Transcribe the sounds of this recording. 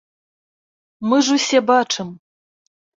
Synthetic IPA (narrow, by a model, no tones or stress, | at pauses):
mɨʐusʲebaʈ͡ʂʰɨm